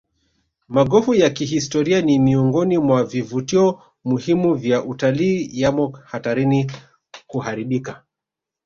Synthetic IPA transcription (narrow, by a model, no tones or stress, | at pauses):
maɠɔfujakiɦistɔɾianimiuŋɡɔnimwavivutiɔ | muhimuvjaʔutaliːjamɔhataɾini | kuhaɾiɓika